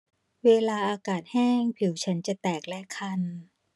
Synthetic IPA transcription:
weː˧laː˧ʔaː˧kaː˨˩t̪̚hɛː˥˩ŋpʰi˨˩˦wt͡ɕʰa˦˥nt͡ɕa˨˩t̪ɛː˨˩k̚lɛ˦˥kʰa˧˥˩n

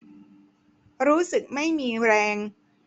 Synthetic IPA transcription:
ɾuː˦˥sɯ˨˩k̚ma˥˩jmiː˧ɾɛː˧ŋ

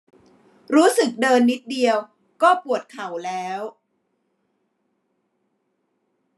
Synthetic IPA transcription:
ɾuː˦˥sɯ˨˩k̚dɤː˧nːi˦˥t̪̚di˧əw | kɔː˥˩pu˨˩ət̪̚kʰa˨˩˦wlɛː˦˥w

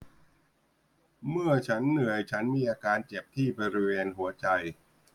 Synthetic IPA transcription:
mɯ˥˩ɐt͡ɕʰa˦˥nːɯ˨˩˦əjt͡ɕʰa˦˥nmiː˧ʔaː˧kaː˧nt͡ɕe˨˩p̚t̪ʰiː˥˩bɔː˧ɾi˦˥weː˧nɦu˩˦ɐt͡ɕa˧j

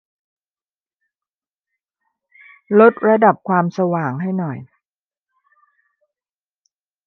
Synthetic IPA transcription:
lo˦˥t̪̚ɾa˧da˨˩p̚kʰwaː˧msa˧waː˨˩ŋɦa˥˩jnɔ˨˩j

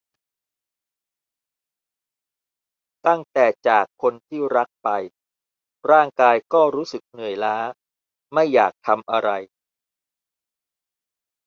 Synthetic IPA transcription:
t̪a˥˩ŋt̪ɛː˨˩t͡ɕaː˨˩kʰːo˧nt̪ʰiː˥˩ɾa˦˥k̚pa˧j | ɾaː˥˩ŋkaː˧jkɔː˥˩ɾuː˦˥sɯ˨˩k̚nɯ˨˩əjlaː˦˥ | ma˥˩jːaː˨˩k̚t̪ʰa˧mʔa˧ɾa˧j

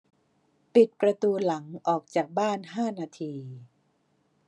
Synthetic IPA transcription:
pi˨˩t̪̚pɾa˧t̪uː˧la˩˦ŋʔɔː˨˩k̚t͡ɕaː˨˩k̚baː˥˩nɦaː˥˩naː˧t̪ʰiː˧

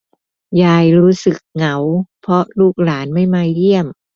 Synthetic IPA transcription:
jaː˧˩jɾuː˦˥sɯ˨˩k̚ŋa˩˦wpʰɾɔ˦˥luː˥˩k̚laː˩˦nma˥˩jmaː˧jli˥˩əm

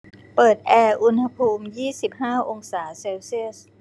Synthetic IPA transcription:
pɤː˨˩t̪̚ʔɛː˧ʔu˧nha˧pʰuː˧mjiː˥˩si˨˩p̚haː˥˩ʔo˧ŋsaː˩˦seː˧wsi˥˩əs̚

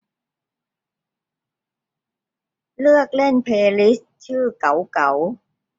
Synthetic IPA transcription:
lɯ˥˩ək̚le˥˩npʰeː˧li˦˥s | t͡ɕʰɯː˥˩ka˩˦wka˩˦w

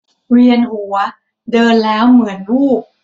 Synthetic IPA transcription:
ɾi˧ənʔu˩˦ɐ | dɤː˧nlɛː˦˥wmɯ˩˦ənɾuː˥˩k̚

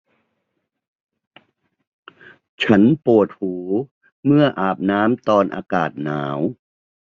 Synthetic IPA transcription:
t͡ɕʰa˦˥npu˨˩ət̪̚huː˩˦ | mɯ˥˩ɐʔaː˨˩p̚naː˦˥mt̪ɔː˧nʔa̰ː˧kaː˨˩t̪̚naː˩˦w

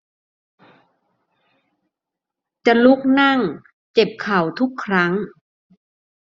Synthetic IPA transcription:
t͡ɕa˨˩lu˦˥k̚na˥˩ŋ | t͡ɕe˨˩p̚kʰa˨˩wt̪ʰu˦˥kʰːɾa˦˥ŋ

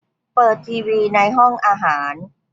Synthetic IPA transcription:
pɤː˨˩t̪̚ʰiː˧wiː˧na˧jɦɔ˥˩ŋʔaː˧ɦaː˩˦n

